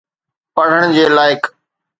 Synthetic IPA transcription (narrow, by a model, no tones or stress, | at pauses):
pəɽ̤əɽ̃d͡ʑeːlaːɪk